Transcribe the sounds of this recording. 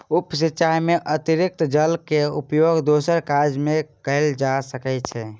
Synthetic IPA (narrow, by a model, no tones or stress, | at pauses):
upsitːt͡ʃaɦmeʔət̪iɾik̚t̪d͡ʒəlkeupjoɡd̪osəɾkad͡ʒmekəɪld͡ʒasəkɛt͡ʃʰɛ